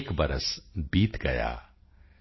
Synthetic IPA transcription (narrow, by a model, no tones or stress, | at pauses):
kbɐɾə̰sbiːt̪ɡɐja̰ː